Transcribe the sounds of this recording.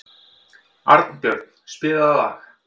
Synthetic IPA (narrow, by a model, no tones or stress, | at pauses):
a̰ɾt̪n̥pjœɾt̪n̥spɪːðaððax